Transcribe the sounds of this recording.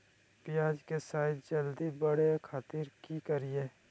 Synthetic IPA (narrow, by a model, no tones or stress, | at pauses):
pɪjaːd͡ʒkesaːɪt̪d͡ʒəld̪ibəɽekʰaːt̪ɪɾkikəɾieː